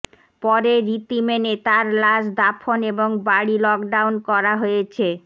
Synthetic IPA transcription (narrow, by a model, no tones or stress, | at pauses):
pɔɾeɾit̪imenet̪aɾlasd̪apʰoneboŋbaɽilɔkɖawnkɔɾaɦojet͡ɕʰe